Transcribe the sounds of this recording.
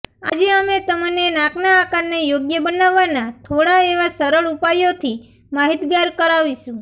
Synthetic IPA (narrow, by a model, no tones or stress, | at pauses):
a̰d͡ʒeəmet̪əmənenãknaːkaɾnejoɡjəbənaʋːanat̪ʰoɽaeʋasəɾəɭupajot̪ʰi | maɦit̪ɡaɾkəɾaʋiʃũ